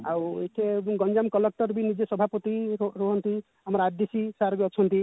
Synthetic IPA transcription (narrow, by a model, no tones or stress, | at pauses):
awḛjʈʰeɡɔnd͡ʒamkɔlek̚ʈɔɾbinid͡ʒesɔbʱapɔt̪iɾuɦɔnt̪i | amɔɾad̪esisaɾbiɔt͡ʃʰɔnt̪i